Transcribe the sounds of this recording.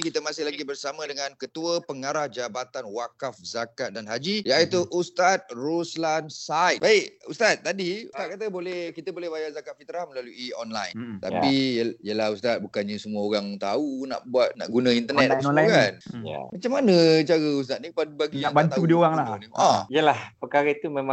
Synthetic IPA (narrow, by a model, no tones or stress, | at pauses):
kit̪əmãsɪhlaɡibərsamə̃dəŋãnkət̪uəpəŋaɾahd͡ʒabat̪anwakafzakat̪̚danɦad͡ʒijait̪uʔust̪at̪̚ruslansajt̪̚b̥aikust̪at̪̚ːadiust̪at̪̚kat̪əbolɛhkit̪əbolɛhbajazakat̪̚fit̪ɾahməlaluʔiɔnla̰jnt̪a̰piəijəlahust̪at̪̚bukanɲəsəmuəoɾaŋt̪auna̰ʔbuat̪̚na̰ʔɡunə̃int̪ənɛt̪akanja̰mat͡ʃamːanət͡ʃaɾəus̬t̪at̪̚nipadbaɡijaaŋbat̪audioɣaŋlaniʔɔijəlahpəkaɾait̪umẽmã